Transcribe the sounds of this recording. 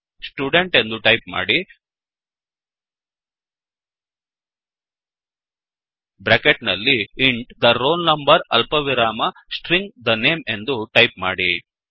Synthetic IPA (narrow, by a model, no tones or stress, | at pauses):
sʈjuːɖeɳʈe̞nd̪uʈɐjpma̰ːɽi | bɾekeʈnɐlːiiɳʈd̪ɐɾoːlnɐmbɐɾɐ̰lpɐʋiɾaːmɐsʈɾiŋɡd̪ɐneːme̞nd̪uʈɐjpma̰ːɽi